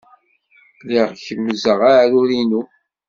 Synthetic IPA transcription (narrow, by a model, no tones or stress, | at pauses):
liʁçəmːəzəʁaɾuɾinu